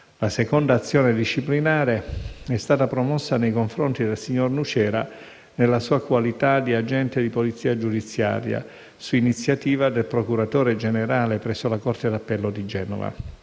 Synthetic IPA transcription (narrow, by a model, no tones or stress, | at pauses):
lasekond̪aːt̪sːjoːned̪iʃːiplinaːɾeɛst̪aːt̪apɾomɔsːanejkoɱfɾont̪id̪elsiɲːornut͡ʃɛːɾa | nelːasuːakwalit̪ad̪iad͡ʒɛnt̪ed̪ipolit̪sːiːad͡ʒud̪it̪sːja̰ːɾja̰ | suinit̪sːjat̪iːvad̪elpɾokuɾat̪oːɾed͡ʒeneɾaːlepɾɛsːolakort̪ed̪apːɛlːod̪id͡ʒɛːno̰va̰